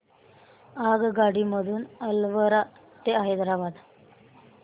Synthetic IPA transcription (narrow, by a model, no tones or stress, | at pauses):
aɡɡaɽiməd̪ʱuːnəlʋəɾa | t̪eaɦed̪əɾabad̪